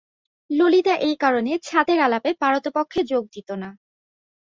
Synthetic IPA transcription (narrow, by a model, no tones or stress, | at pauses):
lolit̪aʔejkaɾonet͡ɕʰat̪eɾalapepaɾot̪opokʰːed͡ʑoɡ̚d̪it̪ona